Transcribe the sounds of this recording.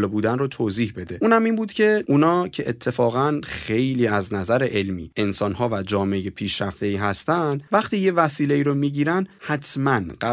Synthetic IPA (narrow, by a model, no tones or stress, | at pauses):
lebuːd̪ænrot̪ʰoːziːhbe̞d̪e̞ʔuːnæmiːnbuːd̪̥cʰe̞ʔunɒːcʰe̞ʔet̪ʰːe̞fɒːɣænxe̞jliːæznæzæɾe̞ʔelmḭːe̞nsɒnɦɒːvæd͡ʒɒːmejepʰiːʃɾæft̪e̞iːɦæst̪ænd̪væχt̪iːje̞væsiːle̞iːɾomiːɟiːɾænd̪hæt̪ʰmænɢæ